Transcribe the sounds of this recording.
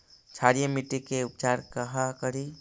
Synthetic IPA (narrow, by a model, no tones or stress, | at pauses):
t͡ʃʰaɾijəmiʈːikeʊp̚d͡ʒaɾkəɦakəɾi